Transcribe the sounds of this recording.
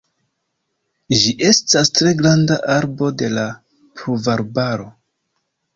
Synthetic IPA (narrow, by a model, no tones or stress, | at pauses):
ʒiʔe̞stastɾe̞ɡɾandaʔaɾbo̞de̞la | pʰɾuvaɾbaɾo̞